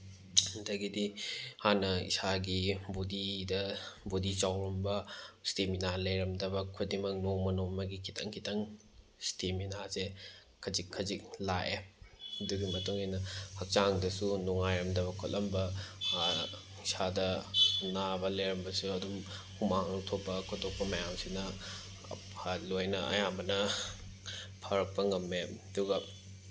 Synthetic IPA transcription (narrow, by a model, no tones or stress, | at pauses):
dɐɡidihanɐḭsaɡibodidɐbodit͡ʃawɾɐmbɐsteminalɐjɾɐmdɐbɐkʰudimɐk̚noŋmɐnomɐɡikʰitʰɐŋkʰitʰɐŋ | steminaze | kʰɐzikʰːɐzik̚laʔeɐduɡimɐtuŋenɐhɐk̚t͡ʃaŋdɐsunuŋajɾɐmdɐβɐkʰolʔɐmbɐ | sadɐnabɐleɾɐmbɐsuɐdum | humaŋlok̚tʰopːɐkʰotʰok̚pɐmɐjamsinɐ̰ | pʰalojnɐɐ̰jamɐnɐ | pʰɐɾɐk̚pɐŋɐmːeɐduɡɐ